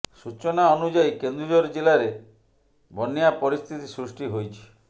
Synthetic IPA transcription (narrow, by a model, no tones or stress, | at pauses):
sut͡ʃɔnaɔnud͡ʒaikend̪ɾud͡ʒɔɾɔd͡ʒelaɾe | bɔniapɔɾist̪ʰit̪isɾusʈiɦojt͡ʃʰi̥